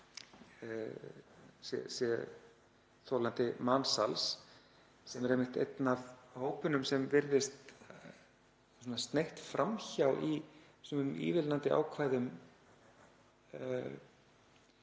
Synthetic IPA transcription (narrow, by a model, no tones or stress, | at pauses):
sjɛ̰sjɛ | θowlant̪ɪmaːnsals | sɛmɛɾejmɪht̪ḛjt̪navhoːwpʏnʏmsɛmvɪɾðɪst̪ | sɔnast̪neht̪fɾamçawi | smʏmḭːvɪlnant̪ɪa̰ːwkʰvaːjðʏm